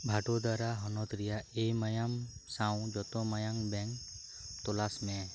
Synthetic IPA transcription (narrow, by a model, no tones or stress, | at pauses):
bʱaʈɔd̪aɾaɦɔnɔt̪ɾijaemajamsaw̃d͡ʒɔt̪ɔmajaŋbɛŋk | t̪ɔlasmɛ̃